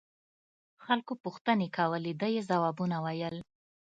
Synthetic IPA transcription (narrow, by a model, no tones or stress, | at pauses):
xalkopuxt̪ənekawəled̪əjezawɑbunawajəl